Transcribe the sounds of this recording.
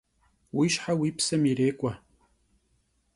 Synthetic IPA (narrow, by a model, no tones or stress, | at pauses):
wiːʃħawipʰsɐmiɾeːkʷʼa